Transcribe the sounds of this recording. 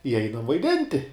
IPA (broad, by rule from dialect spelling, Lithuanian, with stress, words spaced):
ɪ ˈɛɪnɐm ʋɐɪˈdʲɪnʲtʲɪ